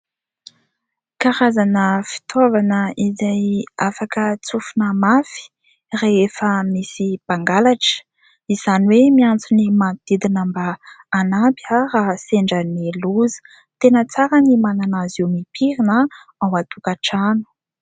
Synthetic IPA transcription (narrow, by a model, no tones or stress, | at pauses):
kaɾazanəfi̥t̪ʰovanəizajafakət͡sufunəmafi̥ | reefəmisib̥aŋɡalaʈ͡ʂə̥ | iz̥aniwemiant͡sunimad̪̥id̪inəmbaːnabjəraseɳɖ͡ʐəneluzə̥ | t̪enət͡saɾənimananazewmipʰiɾinə | awat̪ukaʈ͡ʂanu̥